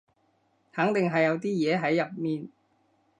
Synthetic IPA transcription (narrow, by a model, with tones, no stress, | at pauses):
hɐ˨˥ŋt̪ɪ˨ŋɦɐ˨jːɐ˨˧wt̪iː˥jɛː˨˧ɦɐ˨˥jːɐ˨p̚miː˨n